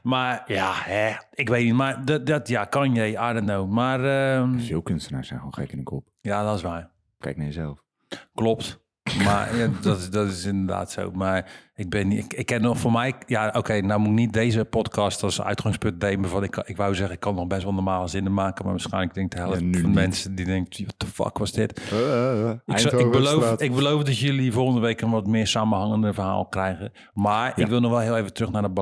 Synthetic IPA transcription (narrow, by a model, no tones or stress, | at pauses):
marjahɛɪkʋejtnitmardɔdɔtjakɔnjɛjadənowmarəfiəlˠkønstəna̰ːsɛ̰jnxoːnxɛkɪnəkʰɔpjadɔtɪsʋaj | kɛjk̚naɹjəzɛlˠf | klop̚t | ma̰dɔtdɔtɪsɪndəda̰ːtso̰wmarɪk̚bɪnkɪkʰːɛnɔxfoːmɛjjaoːkʰejnawmuɪknit̚deːzəpɔtkɑstɔsœ̰ɥtxaŋspønt̚dejməvɔnɪkɪkʋawzɛxəɪkʰːɔnɔxbɛstʋɔlˠnɔrmaːlˠəzɪnəmaːkəma̰ʋaːsxɛjnlək̚dɪŋk̚tʰəɦɛlˠəffɔnmɛnsədidɪŋkiʋɔtə̥fɑ̰kʋɔsdɪt | ɪkɪbəlowɪɡ̚bəlowfdɔtjølivoːɣəndəʋejkənʋɔtmɪːɹsaːmənɦaŋəndəvərɦa̰ːlˠkrɛjɣə | maːɹɪkʋɪlˠnɔxʋɛlˠɦɪːlˠejvətrøxnadɔb